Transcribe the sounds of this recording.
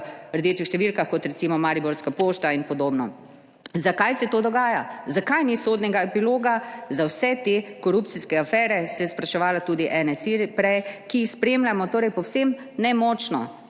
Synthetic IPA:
ɾd̪eːt͡ʃixʃt̪ɛʋilkaxkɔt̪ɾɛsiːmɔmaːɾiboɾskapoːʃt̪ainpɔd̪oːbnɔ | zakajsɛt̪oːd̪ɔɡaːjazakajnisoːd̪nɛɡaɛpiloːɡazawsɛt̪ekɔɾupt̪siskɛafɛːɾɛsɛjɛspɾaʃɛʋaːlat̪uːd̪iʔɛnɛsiɾpɾɛjkiixspɾeːmlʲamɔt̪oːɾɛjpɔwsem | nɛmɔːt͡ʃnɔ̰

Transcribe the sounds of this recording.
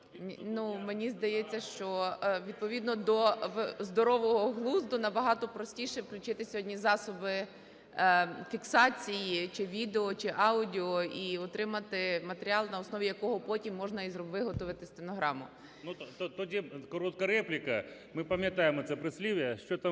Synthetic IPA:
numenʲizd̪ɐjɛt͡sʲːɐʃt͡ʃɔʋʲid̪̚pɔʋʲid̪nɔd̪ɔʋzd̪ɔɾɔʋɔɦɔɦlˠuzd̪ʊnɐbɐɦɑt̪ɔpɾɔsʲtʲiʃɛwklʲʊt͡ʃɪt̪ɪsʲɔdʲnʲizɑsɔbɪ | fʲiksɑt͡sʲijit͡ʃɪʋʲid̪eɔt͡ʃɪʔɑʊdʲiɔiɔt̪ɾɪmɐt̪ɪmɐt̪eɾʲiɑlˠnɐɔsnɔʋʲijɐkɔɦɔpɔtʲimːɔʒnɐizʋɪɦɔt̪ɔʋɪt̪ɪsʲt̪enɔɦɾɑmʊ | nut̪t̪ɔdʲikɔɾɔt̪kɐɾɛplʲɪkɐ | mɪpɐmʲjɐt̪ɑjɪmɔt̪sɛpɾɪsʲlʲiʋʲjɐʃt͡ʃɔt̪am

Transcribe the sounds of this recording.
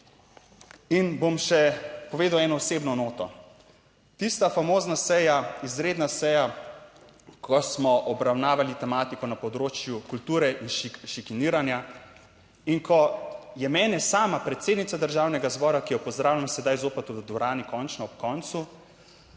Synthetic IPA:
inbomʃɛpɔʋeːd̪awɛːnɔɔseːbnɔnoːt̪ɔ | t̪ist̪afamoːznasɛjaizɾeːd̪nasɛja | kʰɔsmɔʔɔbɾawnaːʋalit̪ɛmaːt̪ikɔnapɔd̪ɾoːt͡ʃjukult̪uːɾɛʔinʃʃikiniɾanja | iŋkʰɔjɛmɛːnɛsaːmapɾɛt̪seːd̪nit̪sad̪əɾʒawnɛɡazbɔːɾakijɔpɔzd̪ɾaːwlʲjamsɛd̪ajzoːpɛt̪ud̪ɔɾaːnikɔnt͡ʃnɔɔp̚kɔnt̪su

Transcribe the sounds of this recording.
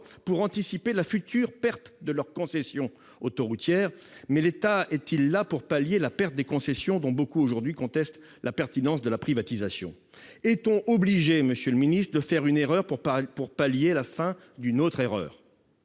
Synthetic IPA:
puʁɑ̃t̪isipelafyt̪ʰyːʁpɛʁt̪d̪əlœʁkɔ̃sɛsjɔ̃ | ot̪oʁut̪jɛːʁmɛlet̪aɛt̪ʰilːapuʁpaljelapɛʁt̪̚d̪ekɔ̃sɛsjɔ̃d̪ɔ̃bokuoʒuʁd̪ɥikɔ̃t̪ɛst̪ | lapɛʁt̪inɑ̃sd̪əlapχivat̪izasjɔ̰̃ | ɛt̪ɔ̃ʔobliʒeməsjøləminist̪χəd̪əfɛʁyneʁœʁppuʁpaljelafɛ̃ | d̪ynot̪χeʁœ̰ːʁ

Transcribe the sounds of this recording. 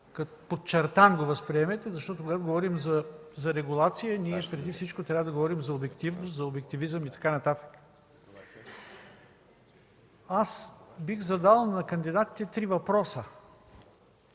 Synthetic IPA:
kɐt̪pot̪t͡ʃɛɾt̪anɡovəspɾiɛmɛt̪ɛzɐʃt̪ɔt̪ʊkoɡat̪ʊɡovɔɾimzɐzɐɾɛɡulˠat̪sijəniɛpɾɛd̪ifsit͡ʃkot̪ɾʲavəd̪ɐɡovɔɾimzɐobɛkt̪ivnʊszɐobɛk̚t̪ivizəmit̪ɐ̥kanɐt̪at̪ə̥k | asbixzɐd̪alˠnɐkɐnd̪id̪at̪i̥t̪ɛt̪ɾivɐpɾɔsə

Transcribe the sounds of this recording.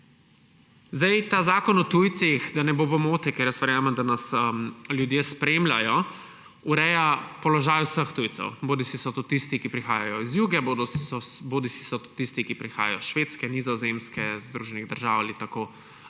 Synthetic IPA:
zd̪ajt̪aːzaːkɔnɔt̪uːjt̪sixd̪anɛbovɔmoːt̪ɛkɛɾjəsʋɛɾjaːməmd̪anasljud̪jeːspɾemlʲa̰jɔ | uɾɛjapɔlɔʒaːjwsəxt̪ujtsɔ̰wboːd̪isisɔt̪ut̪ist̪ikipɾixaːjajɔizjuːɡɛbod̪ɔɔboːd̪isi̥sɔt̪t̪ist̪ikipɾixa̰ːja̰jɔʃʋeːt̪skɛnizɔzemskɛzd̪ɾuʒɛniɣd̪əɾʒawalit̪ako

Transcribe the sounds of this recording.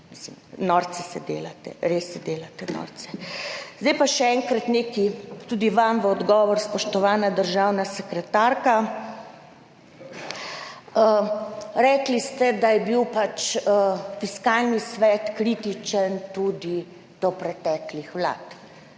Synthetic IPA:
mislḭmnɔɾt̪sɛsɛd̪eːlat̪ɛ̰ɾesːɛd̪eːlat̪ɛnɔ̰ɾt̪sɛzd̪ɛjpaʃɛɛŋkɾat̪neːkit̪ud̪iʋamʋəɔd̪ɡɔːʋɔɾspɔʃt̪ɔʋaːnad̪əɾʒaːwnasɛkɾɛt̪aɾka | əɾɛklist̪ɛd̪ajɛbiwpat͡ʃəfiskalnisʋɛt̪kɾit̪it͡ʃənt̪ud̪i | d̪̥ɔpɾɛt̪ɛːklixʋla̰ːt̪

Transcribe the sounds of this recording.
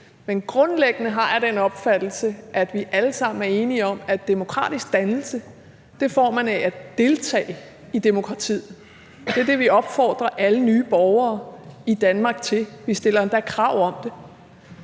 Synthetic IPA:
menɡ̥ʁɔ̽nleɡ̥ənəɦɑ̈jæɾ̥enɒ̽b̥fæd̥l̩səʔæd̥ʋiʔæləsɑ̈m̰n̩æɐe̝ːniɒ̽mæd̥ːe̝mo̝kʰʁɑ̰̈ːd̥isɡ̥̚d̥ænl̩sə | d̥e̝fɒ̰ːmænææd̥e̝lt͡sʰɛ̰ːɪ | id̥e̝mo̝kʰʁɑ̈t͡sʰḭð̰ˠ | ɒ̽d̥e̝ɐd̥e̝ʋiɒ̽b̥fɒ̰ːd̥ʁɐʔælənyːb̥ɒʊɐːid̥ænmɑ̈ːɡ̥̚t͡sʰe̝lʋisd̥e̝l̰ɐend̥ækʰʁɑ̈ʊ̰ɒ̽md̥e̝

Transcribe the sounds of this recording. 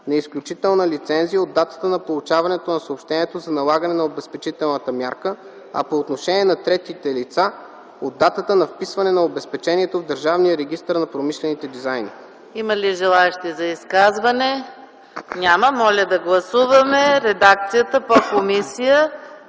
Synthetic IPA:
nɛisklʲut͡ʃit̪ɛlˠnəlit̪sɛnzijəod̪ːat̪ə̥t̪ənɐpolˠut͡ʃavɐnɛt̪onɐsɐopʃt̪ɛniɛt̪ozɐnɐlˠaɡɐnɛnɐobɛspɛt͡ʃit̪ɛlˠnət̪əmʲjaɾkə | ɐ̰poːt̪noʃɛniɛnɐt̪ɾɛt̪it̪ɛlit̪sa | od̪ːat̪ət̪ənɐfpisvɐnɛnɐobɛspɛt͡ʃɛniɛt̪ovd̪əɾʒavnijəɾɛɡʲist̪əɾnɐpɾomiʃlɛnit̪ɛd̪izajni | iməliʒɛlˠaɛʃt̪izɐiskazvɐnɛ | nʲaməmɔlʲəd̪ɐɡlˠɐsuvəmɛɾɛd̪ak̚t̪sijət̪əpokomisijə

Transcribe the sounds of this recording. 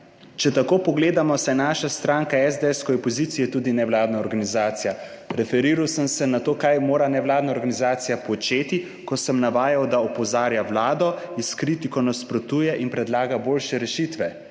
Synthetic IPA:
t͡ʃɛt̪akoːpɔɡleːd̪amɔsɛnaːʃast̪ɾaŋkaɛzd̪eɛskɔjɔpɔzit̪sijɛt̪uːd̪inɛwlaːd̪naɔɾɡanizaːt̪sija | ɾɛfɛɾiːɾawsəmsɛnat̪oːkajmoːɾanɛwlaːd̪naɔɾɡanizaːt̪sijapɔt͡ʃeːt̪i | kɔsəmnaʋaːjawd̪aɔpɔzaːɾjawlaːd̪ɔiskɾit̪ikɔnaspɾɔt̪uːjɛʔinpɾɛd̪laːɡaboːlʃɛɾɛʃit̪ʋɛ

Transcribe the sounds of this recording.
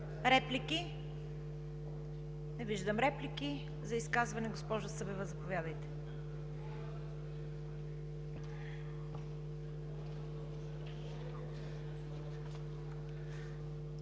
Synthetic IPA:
ɾɛpliki | nɛviʒd̪əmɾɛpliki | zɐiskazvɐnɛɡospɔʒʊsɤbɛvəzɐpovʲjad̪əjt̪ɛ̥

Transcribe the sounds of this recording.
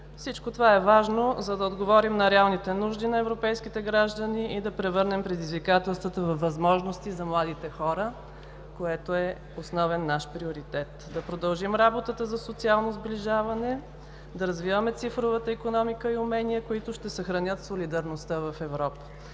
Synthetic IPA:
fsit͡ʃkot̪ovaɛvaʒnozɐd̪ɐod̪ɡovɔɾimnɐɾɛalˠnit̪ɛnuʒd̪inɐɛvɾopɛjskit̪ɛɡɾaʒd̪əniʔid̪ɐpɾɛvɤɾnɛmpɾɛd̪izvikat̪ɛlˠst̪vət̪əvɐfvːɐzmɔʒnost̪izɐmlˠad̪it̪ɛxɔɾə | koɛt̪oɛ | osnɔvɛnːaʃpɾioɾit̪ɛt̪d̪ɐpɾod̪ɐlˠʒimɾabot̪ət̪əzɐsot̪sialˠnozbliʒavɐnɛ | d̪ɐɾɐzvivəmɛt̪sifɾovət̪əikonɔmikəiʊmɛniəkoit̪ʊʃt̪ɛsəxɾɐnʲɤt̪solid̪ɐɾnost̪əvɐfɛvɾɔpə̥

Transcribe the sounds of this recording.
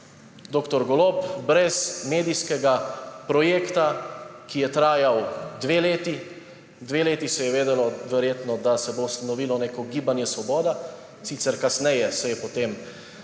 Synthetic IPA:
d̪oːkt̪ɔɾɡɔloːpbɾɛsmeːd̪iskɛɡapɾɔjeːkt̪akijɛt̪ɾaːjawd̪ʋeːleːt̪i | d̪ʋeːleːt̪isɛjɛʋeːd̪ɛlɔʋɛɾjeːt̪nɔd̪asɛbowst̪anɔʋiːlɔneːkɔɡiːbanjɛsʋɔbɔːd̪a | sit̪sɛɾkasnɛjɛsɛjɛpɔt̪eːm

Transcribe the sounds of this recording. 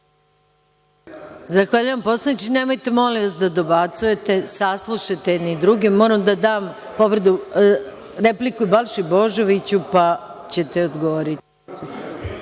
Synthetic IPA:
zaxʋaːʎujampo̞slˠanit͡ʃinemo̞jt̪emo̞liʋasd̪ad̪o̞bat̪suje̞t̪e̞saslˠuʃat̪enid̪ɾuɡimːo̞ːɾamd̪ad̪aːm | po̞ʋrd̪u | ɾe̞plikuibalʃibo̞ʒo̞ʋit͡ɕupa | t͡ɕe̞t̪eod̪ɡoʋoɾit̪

